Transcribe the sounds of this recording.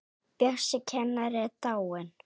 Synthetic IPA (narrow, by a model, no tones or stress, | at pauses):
pjɛr̥sɪcʰɛnːaɾɛt̪aːwɪn